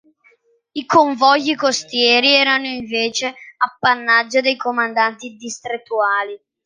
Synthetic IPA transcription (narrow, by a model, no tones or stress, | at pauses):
ikoɱvɔʎːikost̪jɛːɾiɛːɾanoiɱveːt͡ʃeapːanːad͡ʒːod̪ejkomand̪ant̪id̪ist̪ɾet̪ːuaːli